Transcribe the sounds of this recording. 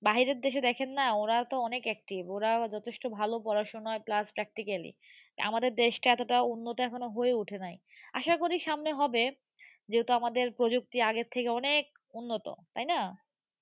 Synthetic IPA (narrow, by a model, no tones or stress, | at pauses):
baɦiɾeɾd̪eʃed̪ɛkʰenːaoɾat̪oɔnekɛk̚ʈiboɾad͡ʑɔt̪ʰeʃʈobʱalopɔɾaʃonɔeplaspɾɛk̚ʈikalḭ | a̰mad̪eɾd̪eʃʈaɛt̪oʈaunːot̪oɛkʰonoɦoeuʈʰenaj | a̰ʃakoɾiʃamneɦɔbe | d͡ʑeɦut̪oamad̪eɾpɾod͡ʑuk̚t̪iaɡeɾt̪ʰːekeɔnek̚ | unːot̪o̰t̪ajna